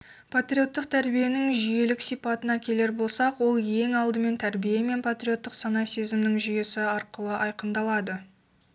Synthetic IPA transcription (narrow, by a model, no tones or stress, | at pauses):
pʰat̪ɾʲio̞t̪ːəq̚t̪ʰæɾbije̞nɪŋʒʏje̞lɪksijpɑt̪ənɑkʲʰe̞le̞ɾbo̞lˠsɑqwo̞lˠje̞ŋɑlˠd̪əme̞nt̪ʰæɾbijeme̞npʰat̪ɾʲio̞t̪ːəqsɑnɑse̞zɪmnɪŋʒʏje̞sɪɑɾqəlˠəʔɑjqənd̪ɑlˠɑd̪ə